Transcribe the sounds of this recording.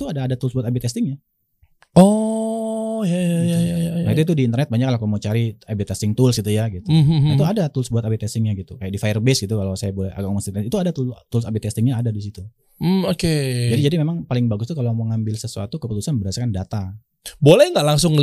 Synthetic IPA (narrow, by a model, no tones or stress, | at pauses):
t̪uadaːdat̪ulsbuat̪abit̪ɛst̪ɪŋɲa | ɔ | jajajajaanait̪uit̪̬udiːnt̪rnɛt̪̚baɲaklakumot͡ʃaɾiabit̪ɛst̪ɪŋt̪ʊlsit̪ujaɡit̪uit̪uadat̪ulsbuat̪abit̪ɛst̪ɪŋɲaɡit̪ukajaʔdifajərbɛsɡit̪ukalawsajabolɛha̰ɡakmɔnst̪it̪ɛt̪it̪uadat̪ut̪ulsabit̪ɛst̪ɪŋɲaːdadis̬it̪u | m̩oked͡ʒadid͡ʒadimemaŋpalɪŋbaɡʊst̪ukaloməŋambɪlsəsua̰t̪ukəput̪usanbəɾasakandat̪a | bolɛhŋɡaʔlaŋsʊŋə